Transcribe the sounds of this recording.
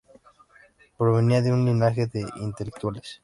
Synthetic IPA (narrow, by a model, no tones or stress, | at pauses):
pɾo̞β̞e̞niaðeunlinaxeðeʔint̪elek̚t̪wales